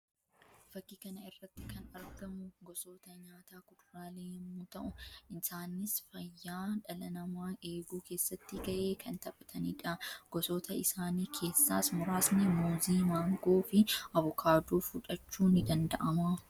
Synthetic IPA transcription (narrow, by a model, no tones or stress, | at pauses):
fɐkːiːkɐnɐɪrːɐt̪ːɪkʰɐnɐɾɡɐmʊɡɔso̞ːt̪ɐɲaːt̪aːkʊᶑ̪ʊɾaːleːhɪmːuːt̪ɐʔʊɪsaːnːɪsfɐjːaːᶑɐlɐnɐmaːʔe̞ːɡuːkʰe̞ːsːɐt̪ːɪɡɐʔeːkʰɐnt̪ɐpʼɐt̪ʰɐniːᶑɐɡ̥ɔsoːt̪ʰɐɪsaːniːkʰe̞ːsːa̰ːsmʊɾaːsnɛmuːziːmaːŋɡoːfɪʔɐβɔkʰaːd̪uːfʊᶑɐt͡ʃːuːnɪd̪ɐnd̪ɐʔɐmaː